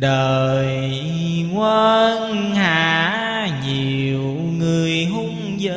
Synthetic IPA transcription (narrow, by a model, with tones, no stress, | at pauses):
ɗəː˨˩j | ŋwə˧nhaː˨ | ɲi˨˩əw | ŋɨ˨˩əjɦʊ˧˥ŋ͡m | zə˧˦